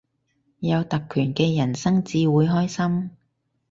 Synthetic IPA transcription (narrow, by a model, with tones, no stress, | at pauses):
jɐ˨˧wt̪ɐ˨kʰːyː˨˩nkɛː˧jɐ˨˩nsɐ˥ŋt͡siː˧wuː˨˧jɦɔː˥jsɐ˥m